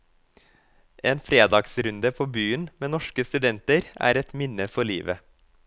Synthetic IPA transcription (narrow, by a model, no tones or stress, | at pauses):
ʔeːnfɾeːd̪ɑɡsɾʉnd̪əpʰoːbyːənmeːnɔʃkəst̪ʉd̪ɛnt̪əɾæ̰ːɾɛt̪mɪnəfɔɭḭːʋə